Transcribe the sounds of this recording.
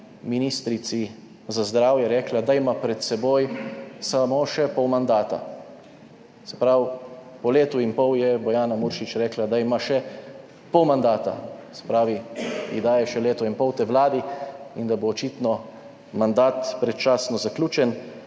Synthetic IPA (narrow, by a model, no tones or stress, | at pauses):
minist̪ɾit̪si | zazd̪ɾaːwjɛɾɛːklad̪aimapɾɛt̪sɛboːjsamoʃɛpɔwmand̪aːt̪a̰ | sɛ̥pɾaw | pɔleːt̪uinpɔwjɛbɔjaːnamuɾʃit͡ʃɾɛːklad̪aimaʃɛ | pɔwmand̪aːt̪a̰sɛ̥pɾaːʋiid̪aːjɛʃɛleːt̪ɔinpɔwt̪eʋlaːd̪iind̪aboːt͡ʃiːt̪nɔ | mand̪aːt̪pɾɛt̪t͡ʃaːsnɔzaklʲuːt͡ʃɛn